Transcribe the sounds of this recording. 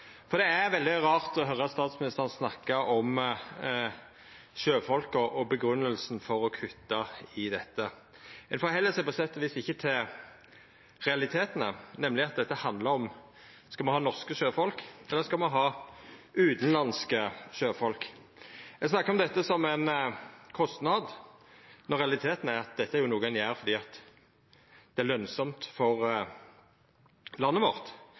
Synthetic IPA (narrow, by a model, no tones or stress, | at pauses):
fɔɾd̪ɛæɾʋɛld̪ɪʁɑːɾt̪ɔɦœɾːəɑt̪st̪ɑːt̪smɪnɪst̪əʁnəsnɑkːəɔm | ʃøːfɔlkɔʔɔbəɡɾʉnːəlsn̩fɔɾɔkʰʉt̪ːɑɪd̪ɛt̪ːə | ɛnfɔɾhɛlːəsɛpɔsɛt̪ːɔʋiːsɪçːət̪ʰɪl | ʁɛɑlɪt̪ʰeːt̪ənə̰nɛmlɪɑt̪̚d̪ɛt̪ːəhɑnd̪ləɾɔm | skɑlmɑnhɑːnɔʁskəʃøːfɔlkɛlːəɾskɑmɑnɦɑː | ʉːt̪n̩lɑnskəʃøːfɔlk | ɛɡsnɑkːəɾɔmd̪ɛt̪ːəsɔmɛnkʰɔst̪nɑd̪ | nɔɾɛɑlɪt̪ʰeːt̪n̩æɾɑt̪̚d̪ɛt̪ːəæɾjʊnuːɡənjæːɾfɔɾd̪iːɑt̪ | d̪̥ɛæɾlœnsɔmt̪fɔʁ | lɑnːəʋɔʁt̪